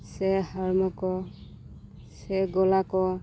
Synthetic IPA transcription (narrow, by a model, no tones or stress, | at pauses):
sɛhaɹmɔkɔ | sɛɡɔlakɔ